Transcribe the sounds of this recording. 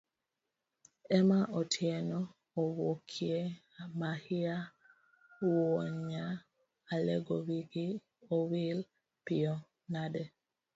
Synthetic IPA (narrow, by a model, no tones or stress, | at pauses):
ɛmaʔɔtʰjɛnɔː | wokʰje | mahɪa | woɲa | alɛ̰ɡowiɡi | owil | pɪɔ | nadɛ